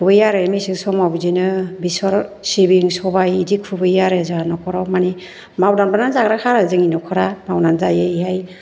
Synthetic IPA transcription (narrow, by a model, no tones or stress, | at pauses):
kʰɯbɯjaɾɯmisiŋsɔmawbizinɯbisɔɾsibiŋsɔbajidikʰubɯjaɾezɯɦanɔkʰɔɾɔmani | mawdanbananzaɡɾakʰaɾazɯŋinɔkʰɔɾamawnanzajaiɦaj